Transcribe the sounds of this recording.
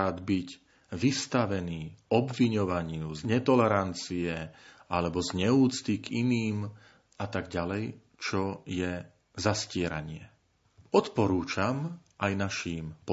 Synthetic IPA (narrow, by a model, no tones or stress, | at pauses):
aːd̪biɟ | ʋist̪aʋɛniːɔbʋiɲɔʋaɲɪuzɲɛt̪ɔlɛɾant͡siɛʔalɛbɔzɲɛuːt͡st̪ikiniːm | at̪aɡɟalɛj | t͡ʃɔjɛ | zascɪɛɾa̰ɲɪɛ | ɔt̪pɔɾuːt͡ʃamʔajnaʃiːmpɔ